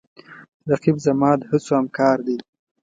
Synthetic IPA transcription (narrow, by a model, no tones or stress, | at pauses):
zaqibzamɑːd̪hət͡soamkɑːɾd̪e